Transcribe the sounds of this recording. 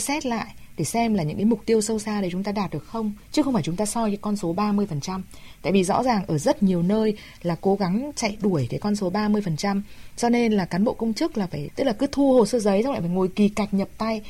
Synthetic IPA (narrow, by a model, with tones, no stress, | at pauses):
sɛ˦˥t̚la̰ː˧˨jʔɗe˧˩sɛ˧mlaː˨˩ɲɨ̰˧˥ŋkaː˨˦jmʊ˨˩k͡p̚t̪i˧əwsə˧wsaː˧ɗe˧˩t͡ɕʊ˨˦ŋ͡mt̪aː˧ɗaː˨˩t̚ɗɨ˨˩ək̚xə˧wŋ͡mt͡ɕɨ˦˥xə˧wŋ͡mfaː˧˩jt͡ɕʊ˨˦ŋ͡mt̪aː˧sɔ˧jka˨˦kɔ˧nso˨˦ɓaː˧mɨ˧əjfə˨˩nt͡ɕa˧mt̪a̰ː˧˨jvi˨˩zɔ̰˧˥zaː˨˩ŋʔəː˧˩zə˦˥t̚ɲi˨˩əwnəː˧j | laː˨˩ko˨˦ɣa˨˦ŋt͡ɕa̰˧˨jɗu˧˩əjkaː˨˦jkɔ˧nso˨˦ɓaː˧mɨ˧əjfə˨˩nt͡ɕa˧mt͡ɕɔ˧ne˧nlaː˨˩kaː˨˦nɓo̰˧˨kə˧wŋ͡mt͡ɕɨ˦˥ək̚laː˨˩faː˧˩jt̪ɨ˦˥k̚laː˨˩kɨ˨˦t̪ʰu˧ho˨˩səː˧zə˨˦jzwla̰˧˨fːŋo˨˩jki˨˩ka˨˩jk̟̚ɲə˨˩p̚t̪a˧j